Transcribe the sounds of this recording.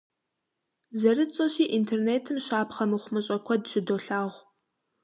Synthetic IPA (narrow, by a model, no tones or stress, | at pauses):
zɐrɨt͡sʼɐɕiːʔintʰerneːtʰɨmɕaːpχɐmɨχʷʊmɨɕʼɐkʷʰɐdʃɪdoːɬaːʁʷ